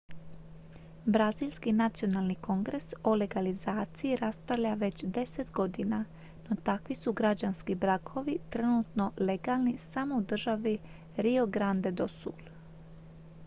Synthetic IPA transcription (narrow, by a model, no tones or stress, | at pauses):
bɾazilʲskinat̪sio̞nalˠniko̞ŋɡɾe̞so̞le̞ɡalizaːt̪sijiɾast̪aʋʎaʋe̞t͡ɕd̪e̞set̪ɡo̞d̪ina | no̞t̪akʋisuɡɾad͡ʑanskibɾakʰo̞ʋit̪ɾenut̪no̞le̞ɡalˠnisamo̞ud̪r̩ʒaʋi | ɾio̞ɡɾand̪e̞d̪osṵl